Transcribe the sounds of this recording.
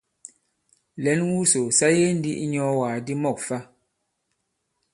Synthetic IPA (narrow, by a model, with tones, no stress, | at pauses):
lɛ˨˦nwu˦so˨sa˦je˦n̩˦dḭ˦ʔi˦ɲɔ˦waː˨di˦mɔ˦˨k̚fa˦